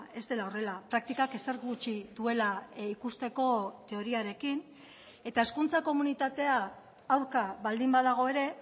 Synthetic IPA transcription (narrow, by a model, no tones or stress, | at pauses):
e̞zd̪e̞lao̞re̞lapɾak̚t̪ikake̞seɾɣɣut͡ʃiðue̞laikust̪e̞ko̞t̪e̞o̞ɾiaɾe̞kin | e̞t̪ae̞skunt͡sako̞munit̪at̪e̞aː | wɾkaβald̪imbaðaɣ̞o̞e̞ɾe̞